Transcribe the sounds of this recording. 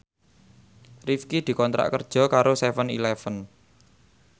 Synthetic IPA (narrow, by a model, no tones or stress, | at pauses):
rifkid̪̥i̤kɔnt̪ɾa̰ʔkərd̥ʒ̥ɔ̤kaɾosɛfənḭlɛfən